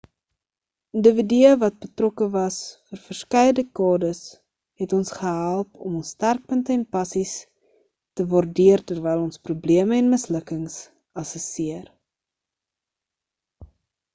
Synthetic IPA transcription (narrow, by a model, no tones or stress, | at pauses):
əndəvidyəvɐt̚bətrɔkəvɐsfərfərskɛjədəkɑːdəs | ɦɛtɔnsχəɦælˠpɔ̰mɔnstærk̚pəntəɛnpɐsis | təvɑrdiərtərvɛjlˠɔnsprubliəməɛnməsləkəŋs | ɐsəsiər